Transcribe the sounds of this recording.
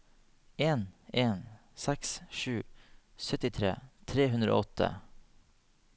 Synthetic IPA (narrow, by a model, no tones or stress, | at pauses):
eːneːn | sɛksʃʉː | sœt̪ɪt̪ʰɾḛːt̪ʰɾeːɦʉnɾo̰ːɔt̪ʰə̰